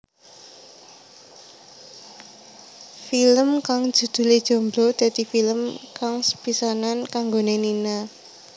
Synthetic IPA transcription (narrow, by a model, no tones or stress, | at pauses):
filəmkaŋ̥ʒ̥ṳd̪̥ṳled̥ʒ̥o̤mbɾɔd̪̥ä̤d̪̥ifiləmkaŋsə̥pisanankaŋɡonenina